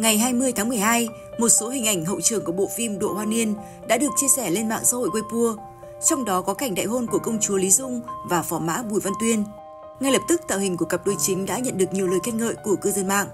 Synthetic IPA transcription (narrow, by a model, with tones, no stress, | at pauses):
ŋa˨˩jɦaː˧jmɨ˧əjt̪ʰaː˨˦ŋmɨ˨˩əjɦaː˧j | mo˨˩t̚so˨˦ɦï˨˩ŋ̟ʔa˧˩jŋ̟ɦə̰˧˨wt͡ɕɨ˧˩əŋku˧˩ɓo̰˧˨fi˧mɗo̰˧˨hwaː˧ni˧ən | ɗa̰ː˧˥ɗɨ˨˩ək̚t͡ɕi˧əsɛ˧˩le˧nma̰ː˧˨ŋsa̰ː˥ho̰˧˨jkwe˧jpu˧ə | t͡ɕɔ˧wŋ͡mɗɔ˨˦kɔ˨˦ka˨˩jŋ̟ɗa̰˧˨jɦo˧nku˧˩əkə˧wŋ͡mt͡ɕu˨˦li˨˦zʊ˧ŋ͡mvaː˨˩fɔ˨˦ma̰ː˧˥ɓu˧˩jva˧nt̪wi˧ən | ŋa˧jlə˨˩p̚t̪ɨ˦˥k̚t̪a̰ː˧˨hï˨˩ŋ̟ku˧˩əkə˨˩p̚ɗo˨˧˩jt͡ɕï˨˦ŋ̟ɗa̰ː˧˥ɲə̰˧˨nɗɨ˨˩ək̚ɲi˨˩əwləː˨˩jkɛ˧n̚ŋə̰ː˧˨jku˧˩əkɨː˧zə˧nma̰ː˧˨ŋʔ